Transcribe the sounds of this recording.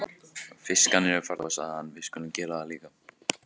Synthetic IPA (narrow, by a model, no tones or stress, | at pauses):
fɪskanɪɾʏfaɾðasa̰ðhanːvɪðskʏːlɪmcɛːɾaðaliːka